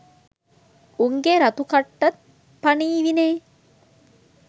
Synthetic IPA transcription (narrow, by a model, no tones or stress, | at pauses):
uŋɡeɾat̪ukaʈːat̪̚ | paniːʋineː